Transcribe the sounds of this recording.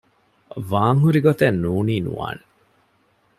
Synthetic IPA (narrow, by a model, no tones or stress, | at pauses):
ʋaːŋɦuɾiɡot̪enːuːniːnṵʋa̰ːne